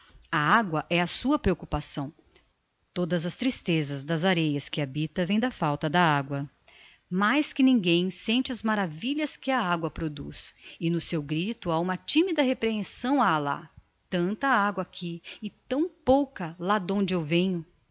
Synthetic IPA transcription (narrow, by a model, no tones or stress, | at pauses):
ɐaɡwɐʔɛɐsuɐpɾeokupasɐ̃w̃ | t̪od̪ɐzɐst̪ɾist̪ezɐzd̪ɐzaɾejɐskɪabit̪ɐvẽj̃d̪ɐfawt̪ɐd̪ɐaɡwɐ | majskɪnĩŋɡẽj̃sẽnt͡ʃɪɐzmaɾaviʎɐskɪɐaɡwɐpɾod̪ṵsɪnʊsewɡɾit̪ʊaũmɐt͡ʃĩmid̪ɐɦepɾeẽsɐ̃w̃ala̰ | t̪ɐ̃nt̪ɐaɡwɐakʰiɪt̪ɐ̃w̃powkɐlad̪õnd͡ʒɪewvẽɲʊ